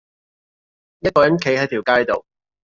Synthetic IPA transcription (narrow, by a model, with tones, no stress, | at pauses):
jɐ˥t̚kɔː˧jɐ˨˥nkʰe˨˥jhɐ˨˥jt̪ʰi˨˩wkaː˥jt̪o˨w